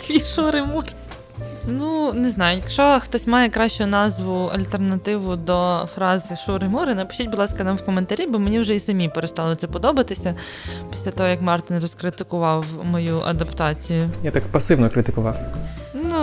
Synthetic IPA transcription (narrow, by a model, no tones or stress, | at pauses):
t̪ʲiʃuɾɪmuɾɪ | nuneznɑjʊjɐkʃɔxt̪ɔsʲmɑjɛkɾɑʃt͡ʃʊnɑzʋʊɐ̰lʲt̪ernɐt̪ɪʋʊd̪ɔfɾɑzɪʃuɾɪmuɾɪnɐpɪ̥ʃt͡ʃʲit̚ʲbʊd̪lˠɑskɐnɑmwkɔment̪ɐɾʲibɔmenʲiwʒɛisɐmʲipeɾest̪ɑlˠɔt̪sɛpɔd̪ɔbɐt̪ɪsʲɐ | pʲi̥sʲlʲat̪ɔɦɔjɐkmɑrt̪ɪnrɔskɾɪt̪ɪkʊʋɑwmɔjuʔɐ̰d̪ɐpt̪ɑt͡sʲijʊjat̪akpɐsɪʋnɔkɾɪt̪ɪkʊʋɑwnu